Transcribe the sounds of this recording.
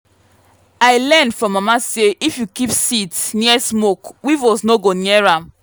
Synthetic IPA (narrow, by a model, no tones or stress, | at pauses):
aɪlɛnfɹɔ̃mːamaseʔifjukipsitsniɛsmokwivosnoɡoniɛɹam